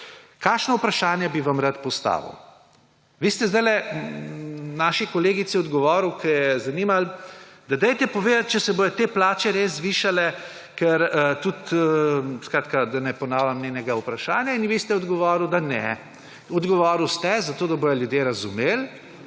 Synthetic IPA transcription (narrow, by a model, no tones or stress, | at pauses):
kaːʃnɔupɾaʃaːnjɛbiʋamɾat̪pɔst̪a̰ːʋə̰w | ʋist̪ɛzd̪ajlɛ | naːʃikɔleːɡit̪siɔd̪ɡɔʋɔːɾwkʰɛjɛzɐnimald̪ad̪ɛjt̪ɛpɔʋeːd̪at̪̚t͡ʃɛsɛboːjɔt̪eːplaːt͡ʃɛɾezʋiːʃalɛ | kɛɾt̪ut̪əskɾaːt̪kad̪anɛpɔnaːwlʲamnenɛɡaupɾaʃaːnjainʋist̪ɛɔd̪ɡɔʋɔːɾuwd̪anɛ | ɔd̪ɡɔʋɔːɾuwst̪ɛzat̪oːd̪abojɔljud̪jeɾɐzumeːl